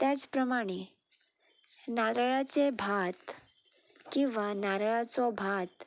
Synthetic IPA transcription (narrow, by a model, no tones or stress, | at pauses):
t̪jat͡spɾəmaɽ̃e | naɾɭat͡sebʱat̪ | kĩʋanaɾəɭat͡sɔbʱat̪